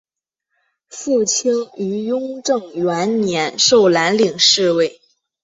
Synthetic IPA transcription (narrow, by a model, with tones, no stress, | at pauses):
fu˥˩t͡ɕʰi˥ŋy˧˥jʊ˥ŋʈ͡ʂɤ˥˩ŋɥɛ˧˥nnjɛ˧˥nʂo˥˩ʊla˧˥nli˨˩ŋʂɻ̩˥˧we˥˩ɪ